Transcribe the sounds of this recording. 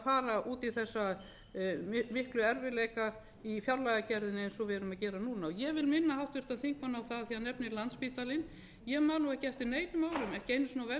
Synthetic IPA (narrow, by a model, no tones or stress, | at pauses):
faːɾaʔuːt̪iθɛsːa | mɪhklʏɛɾvɪleːjka | ifjawɾlajɣacɛɾðɪnɪɛnsɔvɛɾʏmaðcɛːɾanuːnaɔjɛvɪlmɪnːahawht̪vɪ̥t̪aðθiŋkmanawθaðθiːanɛpnɪlant̪spiːt̪alɪn | jɛɣmaːnuɣɛhcɪɛft̪ɪɾneːjnʏmaːwɾʏmɛhcɪejnːʏsnawvɛ